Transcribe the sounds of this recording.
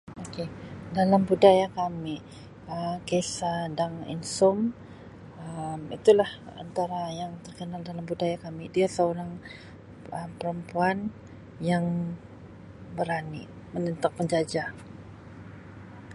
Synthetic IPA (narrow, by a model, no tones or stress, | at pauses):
okedalambudajakami | əkesadaŋḭnsʊm | əmḭt̪ulaha̰nt̪aɾajaŋt̪ərkənaldalambudajakamidiasəoɾaŋ | əmpəɾəmpuan | jaŋ | bəɾani | mənənt̪ak̚pəɲd͡ʒad͡ʒa